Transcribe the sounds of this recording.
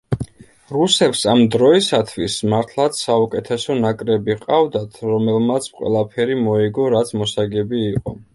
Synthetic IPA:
ɾusɛpsamd̪ɾɔisat̪ʰwismaɾt̪ʰlˠat̪ssaukʼɛt̪ʰɛsɔnakʼɾɛbiqʼavd̪at̪ʰɾɔmɛlˠmat̪sʰqʼwɛ̰lˠapʰɛɾimɔiɡɔɾat̪sʰmɔsaɡɛbiːqʼɔ

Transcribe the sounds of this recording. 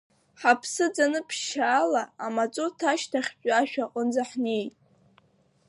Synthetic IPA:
ħapʰsɨd͡zanɨpʰʃaːlaamat͡sʼotʰaʃtʰaχʲt͡ʃʼaʃᶣaqʼənd͡zaħne̞jtʼ

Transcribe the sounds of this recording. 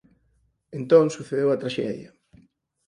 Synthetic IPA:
ẽnt̪õŋsuθeðewɐt̪ɾaʃɛ̰ðjɐ̰

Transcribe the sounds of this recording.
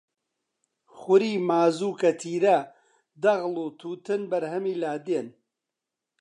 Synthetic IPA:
xʊɾiːmaːzuːkɐt̪ʰiːɾɐ | d̪ɐɣluːt̪ʰuːt̪ɨnbɐɾhɐmiːlaːd̪eːn

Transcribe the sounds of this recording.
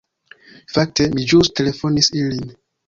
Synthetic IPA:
fak̚temid͡ʒustʰelefonisilin

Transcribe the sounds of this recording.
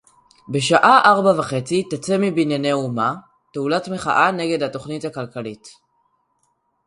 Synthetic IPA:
be̞ʃaʔaʔaʁbavaχe̞t͡sitat͡semibinjeneuma | teulatmeχa̰ʔane̞ɡe̞dhato̞χnithakalkalit

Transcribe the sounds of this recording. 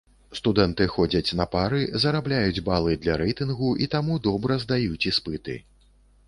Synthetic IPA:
st̪ud̪ɛnt̪ɨxɔd͡zʲɐt͡sʲnɐpaɾɨzɐɾablʲajud͡zʲbalˠɨd̪lʲɐɾɛjt̪ɨnɣuʔit̪amud̪ɔbɾɐzd̪ajut͡sʲispɨt̪ɨ̰

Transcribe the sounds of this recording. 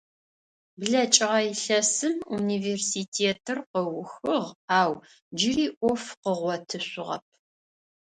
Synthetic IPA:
bɮɐt͡ʃʼɪʁɐjiɬɐsɨmuniveːrsiːtʰeːtʰɨrqəwxɨʁaːw | d͡ʒɪriːʔʷɔfqəʁʷɔtʰɨɕʊʁɐ̰p̚ʰ

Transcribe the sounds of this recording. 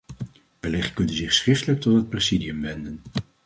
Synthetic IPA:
bəlɪχtkɵndənzɪχsχrɪftələk̚tɔtɦət̚prezidijəmʋɛndən

